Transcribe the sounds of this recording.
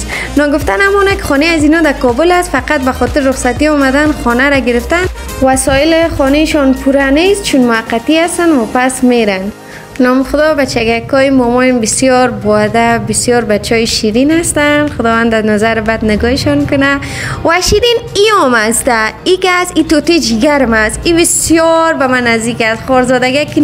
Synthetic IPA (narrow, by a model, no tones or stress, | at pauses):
nɔɡʊft̪anamɔnakɪ̥xɔneazinɔd̪akɔbʊlast̪faqat̪̚baxɔt̪ɪɾɾʊχsat̪iɔmad̪anxɔnaɾaɡɪɾɪft̪an | wasɔɪlɪxɔneʃɔnpʰuɾanes̚t͡ʃʰunmʊhaqːat̪iast̪anwapasmeɾan | nɔmxʊd̪ɔbat͡ʃaɡakɔjɪmɔmɔjɪmbɪsjɔɾbɔad̪abɪsjɔɾbat͡ʃɔjɪʃiɾinast̪anxʊd̪ɔwand̪anazaɾɪbad̪nɪɡɔɪʃɔnkʊna | waʃiɾiniɔmast̪aikːsit̪ot̪ed͡ʒiɡaɾmasibɪsjɔɾbamanazd̪ikasχɔɾzɔd̪aɡaki